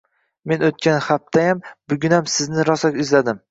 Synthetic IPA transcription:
me̞not̪̚kʲanhaft̪ʰajambʊɡʲʊnamsɪznɪɾɒsakʲɪzlad̪ɪm

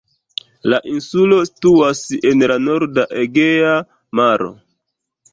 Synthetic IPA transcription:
laʔinsulo̞si̥tuase̞nlano̞ɾdaʔeɡea | maɾo̞̰

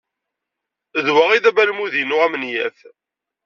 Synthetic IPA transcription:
ðwaʁiðæbælmuðinʊʁæmənjæ̰θ

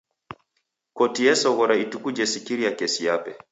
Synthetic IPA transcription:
kotijɛsɔɣɔɾaitukud͡ʒɛsikiɾiakesijapɛ

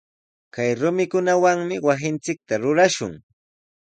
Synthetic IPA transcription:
kajɾʊmɪkʊnawaŋmɪwasɪnt͡sɪk̚t̪aɾʊɾaʃʊ̰ŋ

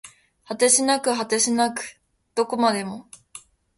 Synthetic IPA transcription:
hat̪eɕinakɯ̟ɦat̪eɕinakɯ̟̥ | d̪̥o̞ko̞mad̪e̞mo̞

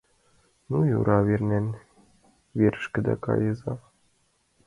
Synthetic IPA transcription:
nujṵɾʔɑʋʲerʲnʲenʲ | ʋʲeɾʲɘ̆ʃkʲɘ̆d̪ʲæ̰kɑ̰jɤzɑ

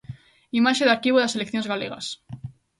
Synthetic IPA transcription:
imaʃeðaɾkiβoðaselekθjonzɣaleɣa̰s

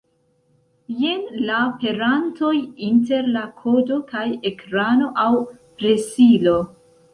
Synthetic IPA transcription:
jenlaope̞ɾanto̞jinte̞ɾlakʰo̞do̞kajekɾano̞ʔaw | pɾesilo

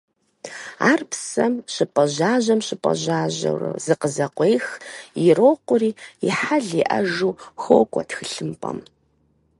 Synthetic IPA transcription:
aːrpʰsɐmɕɪpʼɐʑaːʑɐmɕɪpʼɐ̰ʑaːʑɐ̰wrɐ̰zɨqəzɐqʷejxjɪroːqʷʊriːiħaɮiʔɐʒuːxoːkʷʼɔtxɨɬɨmpʼɐ̰m

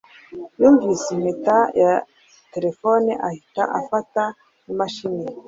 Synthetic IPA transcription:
juːɱvisemetaja | te̞ɾefoneʔahita̰ʔafata | numaʃine

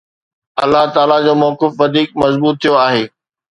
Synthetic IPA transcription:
ɐlːaɦt̪aːlad͡ʑoːmɔːkɪfʋɐd̪ʱiːk̚mɐzbuːt̪ʰːijoaːɦeː

